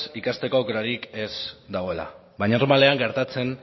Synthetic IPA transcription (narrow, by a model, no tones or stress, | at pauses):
sikast̪e̞kokɾaɾike̞sd̪aɣ̞o̞e̞la̰ | bajɲaɾmale̞aŋɡe̞ɾt̪at͡se̞n